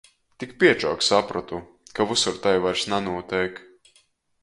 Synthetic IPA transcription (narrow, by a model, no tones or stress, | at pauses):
t̪ikpʲiɛt͡ʃɔ̰ːksapɾat̪u | kavusuɾt̪ajvaɾsnanuɔt̪ɛjk